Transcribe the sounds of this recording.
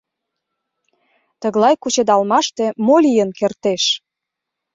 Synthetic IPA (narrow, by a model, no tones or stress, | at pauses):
t̪ə̆ɣlɑjkut͡ɕed̪ɑlmɑʃt̪e̽molʲijənkert̪eʃ